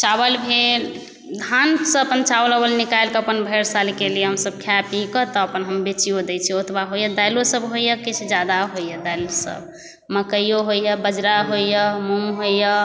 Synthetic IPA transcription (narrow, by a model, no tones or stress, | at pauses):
t͡ʃabəlbʱel | d̪ʱansə̃əpənt͡ʃawləbəlnikajlkeəpənbʱəɾsalkelijɛɦəmsəb̚kʰapikət̪ɔəpənɦəmbet͡ʃijod̪ɛt͡ʃʰɛot̪baɦojəd̪ajlosəbɦojəkit͡ʃʰd͡ʒad̪aɦojəd̪ajlosə̰b | məkəjoɦojəbəd͡ʒɾaɦoijəmumɦojə